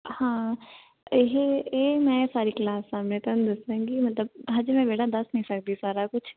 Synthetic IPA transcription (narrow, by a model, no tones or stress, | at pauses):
hãː | ɪɦeemɛ̃ːsaːɾiklaːsːaːmnet̪ənd̪ɪsẽɡimɐt̪ləb̚ɦad͡ʒmɛ̃beːʈʰad̪ɐsnɐɦĩsɐk̚d̪isaːɾakʊt͡ʃʰ